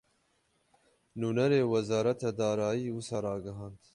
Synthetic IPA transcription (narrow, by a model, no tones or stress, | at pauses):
nuːnɛɾeːwɛzɑːɾɐt̪ʰɑd̪ɑːɾɑːjiːwɨsɑːɾɑːɡɨɦɑːnd̪